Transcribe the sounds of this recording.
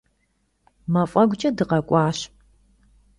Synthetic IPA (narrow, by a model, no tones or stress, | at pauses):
mɐfʼɐɡʷʊt͡ʃʼɐdɨqɐkʷʼɑːɕ